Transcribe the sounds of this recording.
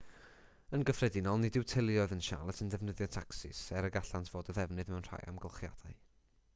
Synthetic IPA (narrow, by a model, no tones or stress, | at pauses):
ənɡəfrɛdɪnɔlˠnɪdɪwtʰɪlˠjɔɨðənʃa̰lˠətʰəndɛvnəðjɔtʰaksɪ̰sɛɾəɡaɬantʰv̥oːdəðɛvnɨðmɛwnr̥a̰ja̰mɡəlˠχja̰d̥aɨ